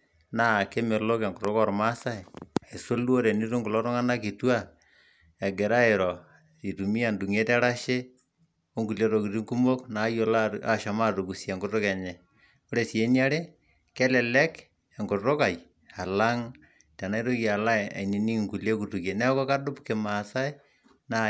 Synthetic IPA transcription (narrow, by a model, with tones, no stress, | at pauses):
na˦˨ke˦me˨lo˦kɛ˨ŋɡʊ˨ɾo˦kɔ˨ɾma˦sa˦˨e˨so˦lu˦o˦ɾe˨ni˦ɾo˦ŋɡʊ˨lɔ˦ɾɔ˦ŋa˦na˦ki˨twa˦ | ɛ˨ɡe˨ɾa˦ɪ˨ɾɔ˨ | i˨tu˨mi˦a˨ndu˨ŋe˦tɛ˦ɾa˦ʃe˦ | o˦ŋɡu˨le˦ɾo˨ki˨ti˦ŋku˦mo˦kna˨˦jo˦la˦a˦ʃa˨ma˦to˨ku˨sje˨ŋɡʊ˨tʊ˦kɛ˨ɲɛ˨ | o˦ɾe˨si˨e˦na˦ɾe˦ | kɛ˦lɛ˨lɛ˦k | ɛ˨ŋɡʊtʊ˦ka˨j | a˨la˦ŋ | tɛ˨na˦i˦ɾo˦ki˨a˨la˦e˨a̰˨ni˨ni˦ŋku˨le˦ku˨tu˨ke˨nɛ˦kɔ˦ka˦dʊ˦pke˨ma˨sa˦e˦ | na˦